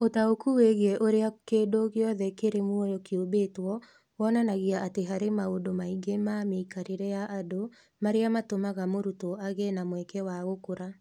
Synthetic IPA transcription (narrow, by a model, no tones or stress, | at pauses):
otaokuweɣeɛʔoɾeakedoɣjɔðɛkeɾemwɔjɔkjobetwɔ | wɔnanaɣiaʔateɦaɾemaodomaiɡemameikaɾeɾɛjaʔado | maɾeamatomaɣamoɾutoaɣenamwɛkɛwaɣokoɾa